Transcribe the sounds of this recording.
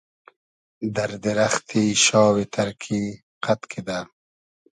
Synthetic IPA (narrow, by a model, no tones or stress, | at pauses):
d̪ɐɾd̪ɪɾaxt̪ʰiʃɑːwit̪ʰɐɾkʰi | qʰat̪kʰid̪a